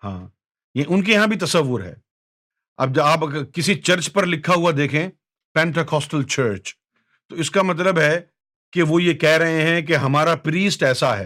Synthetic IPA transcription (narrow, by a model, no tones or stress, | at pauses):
hã̰ː | jaiʊnk̬ejɐɦãbʱit̪ɐsɐʋːʊɾɦɛ̰ː | ɐ̰b̚d͡ʒaːpkɪsit͡ʃɐɾt͡ʃpɐɾlɪkʰːaɦuad̪eːkʰẽ | pɛ̃ːɳʈekʰɔːsʈəlt͡ʃəːɾt͡ʃ | t̪oɪskamɐt̪̬ləbɦɛ | keʋojekɛɦɾɐɦeɦɛ̃k̬eɦɐmaːɾapɾiːsʈɛːsaɦɛ̰ː